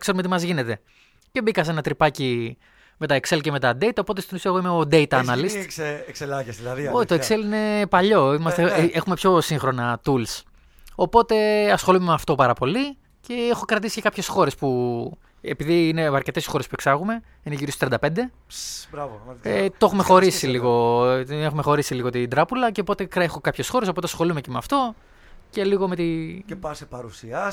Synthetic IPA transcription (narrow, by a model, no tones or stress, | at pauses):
kse̞ɾumeimɐzʝine̞t̪e̞ | ce̞bikɐs̬enɐt̪ɾipɐci | me̞t̪ɐekse̞lceme̞t̪ɐd̪e̞it̪ɐopo̞t̪e̞st̪inusiɐɣoimeod̪e̞it̪ɐːnɐlist̪kselɐʝesðilɐðoit̪oekse̞line̞pɐʎo̞imɐst̪eexume̞pço̞siŋxɾo̞nɐt̪uls | o̞po̞t̪e̞ɐsxo̞lumemeɐft̪o̞pɐɾɐpo̞li | ce̞exo̞kɾɐt̪isice̞kɐpçe̞sxo̞ɾe̞spu | epiðiːne̞ɐɾce̞t̪esxo̞ɾespue̞ksɐɣume̞ | ineʝiɾist̪ɾiɐnd̪ɐpe̞nd̪e̞ | bɾɐvet̪o̞xumexo̞ɾisiliɣo̞exume̞xo̞ɾisiliɣot̪ind̪ɾɐpulɐceopo̞t̪e̞kɾexo̞kɐpçe̞sxo̞ɾeso̞po̞t̪eɐsxo̞lume̞cemeɐft̪o̞ | ce̞liɣo̞me̞t̪iɐsepɐɾusiɐ